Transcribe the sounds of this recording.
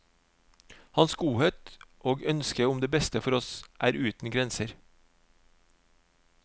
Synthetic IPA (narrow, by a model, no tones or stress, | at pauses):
hɑnsɡuːheːt̪ʔoːɡœnskəʊmd̪eːbɛst̪əfɔɾɔsʔæːɾʉːt̪n̩ɡɾɛnsəɾ